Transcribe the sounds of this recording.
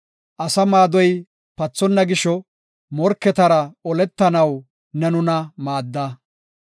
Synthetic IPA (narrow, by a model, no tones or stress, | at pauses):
ʔɐsɐmaːd̪ɔj | pɐt͡sːɔnːɐɡɪʃɔ | mɔɾkːɛt̪ɐɾɐɔlɛt̪ːɐnɐw | nɛnʊnɐmaːd̪ːɐ